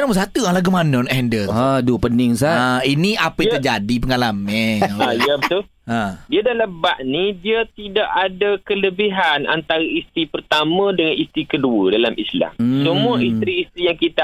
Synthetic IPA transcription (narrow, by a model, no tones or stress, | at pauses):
naməs̬at̪ualaɡumanənɔʔhɛndəladupənɪŋs̬aainiʔapəj̃at̪əd͡ʒadipəŋalamanijabət̪ʊl | adiadaləbaʔnidiat̪idaʔadakələbiɦana̰nt̪aɾaist̪ɾipərt̪amə̃dəŋanist̪ɾikəduədalamʔisla̰msəmuaist̪ɾiːst̪ɾijaŋkit̪a